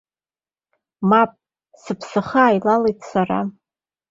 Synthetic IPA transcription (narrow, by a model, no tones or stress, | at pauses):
mapʼ | sɨpʰsɨχaːjlalejtʰʼsara̰